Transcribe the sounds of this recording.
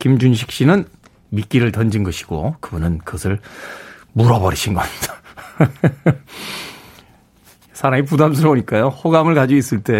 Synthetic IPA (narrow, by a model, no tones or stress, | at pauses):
kimd͡ʑunɕ̬ʰi̥k̚ɕ͈inɯn | mik͈iɾɯɭtʌnd͡ʑinɡʌɕʰi̥ɡ̥o̰kɯbunɯnkɯɡʌsʰɯɭ | muɾʌbʌɾiɕʰinɡʌmida | sʰaɾaŋip̬udams̬ʰɯɾʌboɲik͈ajohoɡamɯɭkad͡ʑois͈ɯɭt͈e̞